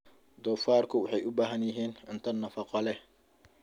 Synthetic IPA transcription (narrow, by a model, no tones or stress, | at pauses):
d̪ɔːfaːrkʰʊwɑħɑjʔʊbaːɦɐnjɪɦiːnɪnt̪ʰɐnːɐfɑqɔlɛ